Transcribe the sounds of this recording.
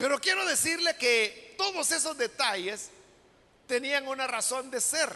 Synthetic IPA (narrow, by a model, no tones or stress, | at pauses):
pe̞ɾo̞kjeɾo̞ðesiɾleket̪o̞ðose̞so̞zd̪e̞t̪aʝes | t̪e̞niaŋunaraso̞nd̪e̞seɾ